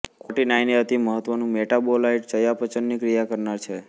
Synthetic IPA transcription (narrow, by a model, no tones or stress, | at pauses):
kʰoʈinajneɦət̪iməɦət̪ʋənũmeʈabolaiʈ̚t͡ʃəjapət͡ʃənːikɾijakəɾnaɾt͡ʃʰe